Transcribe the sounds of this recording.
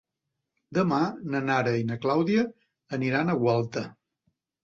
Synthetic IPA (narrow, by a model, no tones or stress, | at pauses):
d̪əmanənaɾəinəklawðiəː | niɾanəɣwalˠt̪ə